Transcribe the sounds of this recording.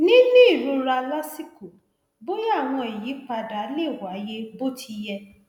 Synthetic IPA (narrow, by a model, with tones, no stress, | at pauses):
nĩ˦nĩ˦i˦˨ɾũ˧ɾa˧la˦si˦ku˨ | bo˦ja˦˨w̃ɔ̃˧e˨ji˨˦k͡pa˧da˨˦le˦˨wa˨˦je˦bo˦ti˧jɛ˧